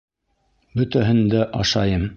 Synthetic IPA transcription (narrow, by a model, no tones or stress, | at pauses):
bɵ̆t̪æɦɘ̆nd̪æʔɑʃɑjɤm